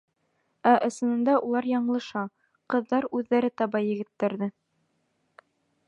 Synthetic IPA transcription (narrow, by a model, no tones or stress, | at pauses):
æʔɤ̆sɤ̆nɤ̆nd̪ɑʔulˠɑɾjɑɴlˠɤ̆ʃɑ | qɤ̆ðːɑɾʉðːæɾɘt̪ɑbɑjɘ̆ɡɘ̆t̪ːɘ̆ɾðɘ